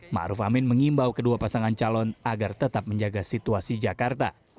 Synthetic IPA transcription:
ma̰ɾufa̰mɪnməŋimbawkəduapasaŋant͡ʃalɔnaɡart̪ət̪ap̚məɲd͡ʒaɡasit̪uasid͡ʒakart̪a̰

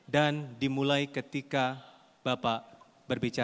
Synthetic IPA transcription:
dandimulajkət̪ika | bapaʔ | bərbit͡ʃa

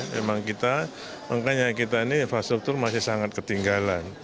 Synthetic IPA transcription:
mḛmaŋkit̪a | maŋkaɲakit̪ainifasʊrt̪ʊrmasɪhsaŋat̪̚kət̪iŋɡalan

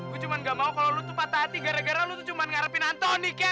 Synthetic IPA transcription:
kut͡ʃumanɡamaukalɔlut̪upat̪aːt̪iɡaɾaɡaɾalut̪ut͡ʃumanŋaɾəpɪnant̪ɔnikɛ

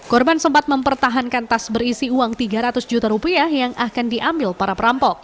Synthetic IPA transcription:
kɔrbansəmpat̪̚məmpərt̪aɦankant̪asbəɾisiuaŋt̪iɡaɾat̪ʊsd͡ʒut̪aɾupiahjaŋʔakandiʔambɪlpaɾapəɾampɔk̚

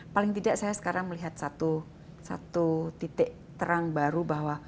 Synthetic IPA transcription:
palɪŋt̪idaʔsajasə̥kaɾaŋməliɦat̪̚sat̪u | sa̰t̪ut̪it̪ɪʔ | t̪əɾaŋbaɾubahwa

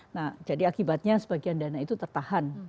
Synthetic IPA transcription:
nad͡ʒadiakibat̪̚ɲasəbaɡiandanait̪ut̪ərt̪ahan

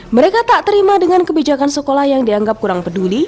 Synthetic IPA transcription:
məɾekat̪aʔt̪əɾimadəŋankəbid͡ʒakansəkolahjaŋdiaŋɡap̚kuɾaŋpəduli

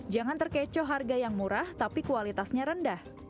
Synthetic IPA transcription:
d͡ʒaŋant̪ərkɛt͡ʃɔɦarɡajaŋmuɾaht̪apikualit̪asɲaɾəndah

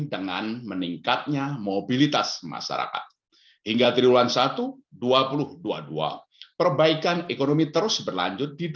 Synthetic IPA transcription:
dəŋa̰nməniŋkat̪̚ɲamobilit̪asma̰ʃa̰ɾa̰ka̰t̪̚ | hiŋɡat̪ɾiulansat̪u | duapulʊhdua̰dua̰ | pərbaikanekonomit̪əɾʊsbərla̰ɲd͡ʒʊt̪̚did

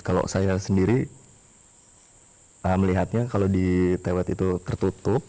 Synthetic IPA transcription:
kalo̰ʔsajasəndiɾi | əməliɦat̪̚ɲakalodit̪awat̪it̪ut̪ərt̪ut̪ʊp̚

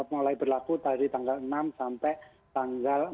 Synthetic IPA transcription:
molaibərlakut̪aɾit̪aŋɡalənamsampɛʔ | t̪aŋɡal

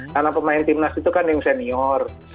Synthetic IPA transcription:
kanapəmaɪnt̪imnasit̪ukanjɪŋsɛniɔr

